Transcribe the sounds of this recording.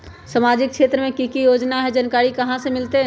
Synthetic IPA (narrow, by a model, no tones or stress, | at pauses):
samad͡ʒɪk̚ʃeːt̪ɾəmẽkikijod͡ʒnaɦɛd͡ʒənkaːɾikəɦãsemɪlt̪e